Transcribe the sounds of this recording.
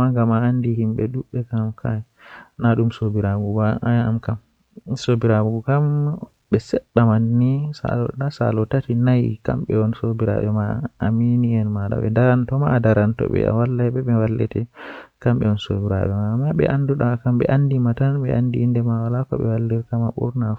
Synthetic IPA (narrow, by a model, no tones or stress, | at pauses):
aŋɡamaandihimɓɛɗuɓːɛkamkʰaj | naɗumsobiɾaɡubaajaamkam | sobiɾaɡuɡukam | ɓɛsɛɗːamanːisa̰ɔdasa̰lɔtatinajka̰mɓɛɔnsobiɾa̰ɓɛmaːminiɛnmaɗa̰ɓɛ̰daɾantɔmaːdaɾantɔ̰ɓɛ̰a̰walːajbɛɓɛwalːɛ̰tɛkamɓɛɔnso̰biɾa̰ɓɛmaːmːaɓɛ̰ʔanduɗakamɓɛ̰ʔandimatanɓɛ̰ʔandiːndɛmawalakɔ̰ɓɛwalːiɾkamaɓṵɾna